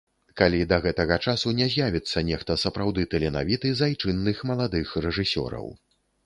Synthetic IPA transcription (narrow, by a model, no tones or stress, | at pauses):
kalʲid̪ɐɣɛt̪ɐɣɐt͡ʂasunʲɛzʲjavʲit̪sːɐnʲɛxt̪ɐsɐpɾawd̪ɨt̪ɛlʲɛna̰vʲit̪ɨzajt͡ʂɨnːɨxmɐlˠad̪ɨxrɛʐɨsʲɔ̰ɾɐ̰w